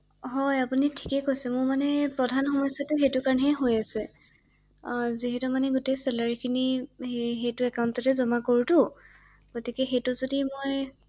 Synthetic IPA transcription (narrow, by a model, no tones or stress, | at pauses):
ɦɔjapunitʰi̥kɛkojsɛmʊɹmanɛpɹɔdʱanxɔmɔjsatʊxejtʊkaɹnɦɛɦojasɛ | ziɦɛtumanɛɡutejsɛlaɹikʰini | ɦejtʊɛkawntɔtɛzɔmakoɹutʊ | ɡ̥otikɛxejtʊzodimoj